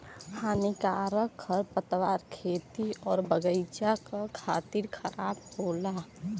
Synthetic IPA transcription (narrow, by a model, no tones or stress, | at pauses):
kʰaːnikaːɾəkʰːəɾpət̪ʋaːɾkʰeːt̪iɔːɾbəɡəɪt͡ʃakakʰaːt̪iɾkʰəɾaːb̚boːla